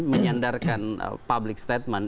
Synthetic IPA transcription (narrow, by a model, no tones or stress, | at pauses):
məɲandarkan̰pablɪk̚st̪ɛt̪̚man